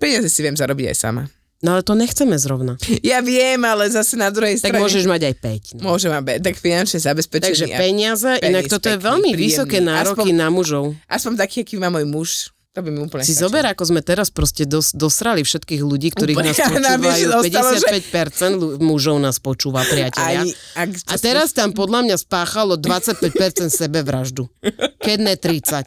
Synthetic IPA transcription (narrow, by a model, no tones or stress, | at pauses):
pɛɲɪazɛsiʋɪɛmzaɾɔbiɟa̰jsa̰ma̰ | nɔalɛt̪ɔɲɛxt͡sɛmɛzɾɔʊnajaʋɪɛmalɛzasɛnad̪ɾuɦɛjst̪aɡɾ̚amʊɔʒɛʒmaɟajpɛcnmʊɔʒɛmabɛt̪akfinant͡ʃɲɛzabɛspɛt͡ʃt̪aɡɡʒɛpɛɲɪazɛʔinakkt̪ɔt̪ɔjɛʋɛʎmiʋisɔkɛːnaːɾɔpkinamuʒɔʊʔaspɔɲt̪akiːakimaːmɔjmuʃ | t̪ɔbimiupl̩ɲɛsizɔbɛɾakɔzmɛt̪ɛɾaspɾɔscɛd̪ɔsd̪ɔsɾalifʃɛt̪kiːɣluɟiːkt̪ɔɾiːnaːspɔuiajuɔpɛɟɛsɪat̪pɛcpɛɾt͡sɛnd̪lumuʒɔʊnaːspɔt͡ʃuːʋapɾɪacɛʎɪaakat̪ɛɾast̪ampɔd̪lamɲaspaːxalɔd̪ʋat͡sac̚pɛc̚pɛɾt͡sɛnt̪sɛbɛʋɾaʒd̪ukɛd̪nɛt̪ɾit͡sac